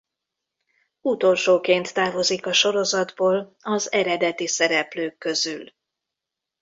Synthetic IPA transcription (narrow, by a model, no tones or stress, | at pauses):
ut̪o̞lʃoːkeːnt̪ːaːvo̞zikɒʃo̞ɾo̞zɒd̪boːlɒzɛɾɛd̪ɛt̪isɛɾɛpløːkːø̞zyl